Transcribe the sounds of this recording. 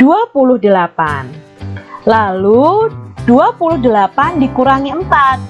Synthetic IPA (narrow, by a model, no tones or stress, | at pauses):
d̥uapulʊhdəlapa̰n | lalud̥uapulʊhdəlapandikuɾaŋiəmpat̪̚